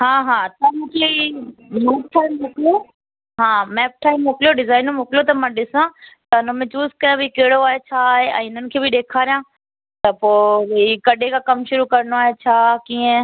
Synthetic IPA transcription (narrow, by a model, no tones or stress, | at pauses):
ɦãːɦãːt̪ɐmoːklimɛːp̚ʈʰaːimːoːkljo | ɦãːmɛːp̚ʈʰaːɪimːoːkljoɖɪzaːɪñmoːklot̪ɐmɛ̃ːɗɪsãt̪ɐʊnə̃mẽt͡ʃuːskɐɾãbʱikeːɽoaːɦet͡ʃʰaːɦeɛ̰̃ːɪnənɪ̆kʰeːbʱɪɗeːkʰaːɾijãː | t̪ɐpoːɾikɐɗʱekakɐmʃʊɾukɐɾnoaːɦet͡ʃʰaːkĩːẽ